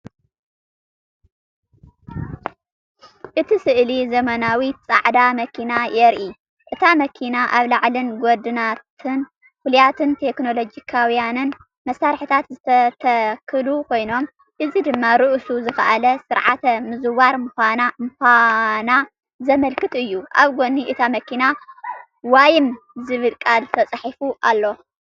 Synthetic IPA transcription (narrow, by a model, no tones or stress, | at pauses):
ʔɨt̪ʰisɨʔlizɐmɐnawit͡sʼa̰ʕd̪amɐkʰinajɛɾʔi | ʔɨt̪ʰamɐkʰinaʔaβlaʕlɨnɡod̪ɨnat̪ʰɨn | kuljat̪ʰɨnt̪ʰe̞kno̞lo̞d͡ʒikʰawjanɨn | mɐsːaɾħit̪ʰat̪zɨt̪ʰɐt̪ʰɐkʰɨlukʰo̞jno̞m | ʔɨzid̪ɨmːaɾɨʔsuzɨxɐʔalɐsɨɾʕat̪ʰɐmɨzɨβaɾmɨxʷanamɨxʷana | zɐmɐlkɨt̪ʼɨjːuʔaβɡo̞niʔɨt̪ʰamɐkina | wajɪm | zɨβɨlkʼalt̪ʰɐt͡sʼħifuʔalːo̞